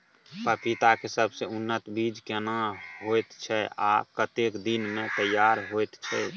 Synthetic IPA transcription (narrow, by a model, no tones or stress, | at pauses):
pəpit̪akesəbʱseunːət̪bid͡ʒkenaɦojt̪t͡ʃʰɛa̰kət̪ekd̪inmẽt̪əjːaɾɦojt̪t͡ʃʰɛ